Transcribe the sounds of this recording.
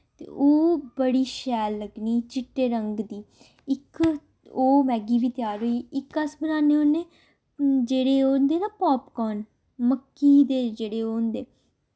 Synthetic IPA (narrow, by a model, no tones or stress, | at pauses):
t̪ḛːʔoːbəɽiːʃɛːlːəɡniːt͡ʃɪʈːeːɾəŋɡd̪iː | ɪk | oːmɛːɡiːbiːt̪ɪjaːɾoːiɪkəsbənaːneːonːeː | d͡ʒeːɽeːoːnd̪eːnaːpɔːpkɔːn | məkːiːd̪eːd͡ʒeːɽeːoːnd̪eː